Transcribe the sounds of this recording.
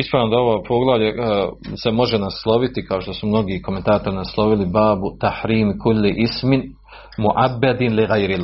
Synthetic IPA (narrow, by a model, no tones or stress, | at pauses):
ispɾaːʋnod̪aoʋopʰoɡlˠaʋʎese̞mo̞ʒe̞naslˠo̞ʋit̪ikaoʃt̪o̞sumno̞ɡiːko̞ment̪aːt̪o̞ɾnaslˠo̞ʋilibaːbut̪aħɾiːmkulːiʔismɪn | muʔabːad̪inliɣajɾil